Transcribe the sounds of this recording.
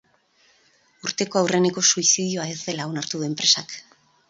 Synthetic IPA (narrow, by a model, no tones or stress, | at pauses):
uɾt̪e̞ko̞awre̞ne̞ko̞suisiðio̞ae̞zd̪e̞lao̞naɾt̪uðue̞mpɾe̞sak